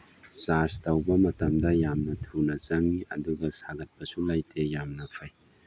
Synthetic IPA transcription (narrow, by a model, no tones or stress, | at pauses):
saɾstɐwbɐmɐtɐmdɐjamnɐtʰunɐzɐŋiʔɐ̰duɡɐsaɡɐt̚pɐsulajtʰejamnɐpʰaj